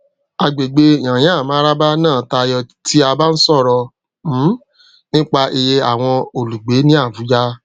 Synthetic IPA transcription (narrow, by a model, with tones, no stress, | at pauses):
a˧ɡ͡be˨ɡ͡be˧˨j̃ã˨j̃ɛ̃˨˦a˦˨mã˨˦ɾa˦ba˦nãː˦˨˦ta˧jɔ˧ti˦a˧ba˦n̩˦sɔ˦˨ɾɔ˧ | m̩˦ | nĩ˦k͡pa˧ʔe˧je˧a˨w̃ɔ̃˧o˨lu˨ɡ͡be˨˦nĩ˦a˦˨vu˨˦d͡ʒa˦